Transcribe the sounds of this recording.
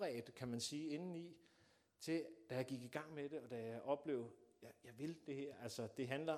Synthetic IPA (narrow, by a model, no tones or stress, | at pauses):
ʁɛ̰ːd̥kʰæmænsiːe̝nn̩i | t͡sʰe̝d̥æjɑ̈ɡ̥iɡ̥iɡ̥ɑ̈ŋ̰med̥e̝ɒ̽d̥æjɑʔɒ̽b̥le̝̰ːʊjɑjɑ̈ɪʋe̝ld̥e̝heɐ̰ælsɒd̥e̝ɦænlɐ